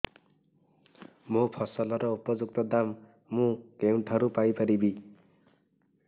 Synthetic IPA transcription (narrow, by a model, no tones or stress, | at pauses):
mopʰʌsʌlʌɾʌupʌd͡zuk̚t̪ʌd̪amː | ũɡeuɳʈʰʌɾupajpʌɾibi